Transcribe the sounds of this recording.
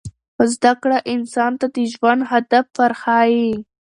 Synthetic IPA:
ozd̪akɽaʔɪnsɑnt̪ad̪əʒwand̪ɦad̪afːaɾxɑji

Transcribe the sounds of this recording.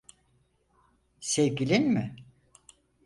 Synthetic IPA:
sevɟilʲinmɪ

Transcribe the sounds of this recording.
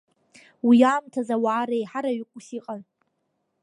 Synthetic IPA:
wijaːmtʰazawaːɾejħaɾaɥɪkʷʼusiqʼan

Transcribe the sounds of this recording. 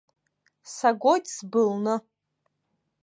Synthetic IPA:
saɡʷojtʰʼsbɨlnɨ

